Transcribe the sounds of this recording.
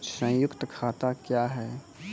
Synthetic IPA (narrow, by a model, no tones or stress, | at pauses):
t͡ʃsə̃jʊkt̪kʰaːt̪akjaːɦɛː